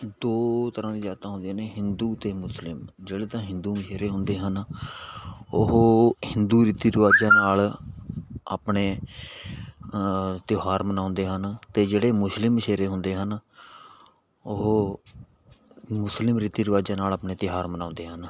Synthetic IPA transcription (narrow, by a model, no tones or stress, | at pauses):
d̪oːt̪əɾãːd̪iːd͡ʒaːt̪ãːɦʊnd̪ijneːɦɪnd̪uːt̪eːmʊslɪmd͡ʒeːɽeːt̪ãːɦɪnd̪uːməʃeːɾeːɦʊnd̪eːɦən | ʊɦːhɪnd̪uːɾiːt̪iːɾəʋaːd͡ʒãːnaːl | a̰ːpɳeː | t̪joɦaːɾmənãːnd̪eːɦənt̪eːd͡ʒeːɽeːmʊslɪmːəʃeːɾeːɦʊnd̪eːɦən | ʊɦː | mʊslɪmɾiːt̪iːɾəʋaːd͡ʒãːnaːlaːpɳeːt̪ɪɦaːɾmənãːnd̪eːɦən